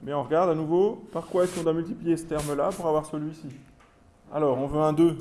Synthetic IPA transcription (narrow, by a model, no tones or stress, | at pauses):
mɛɔ̃ʁəɡaʁd̪anuvopaʁkwaɛskɔ̃d̪wamylt̪iplijesə̥t̪ɛʁmlapuʁavwaʁsəlɥisi | a̰lɔːʁɔ̃vøɛ̃d̪ø